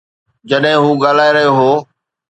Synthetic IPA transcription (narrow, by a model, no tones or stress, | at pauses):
d͡ʑɐɗɦɪ̃ɦuːɡaːl̤aːeɾəɦoɦoː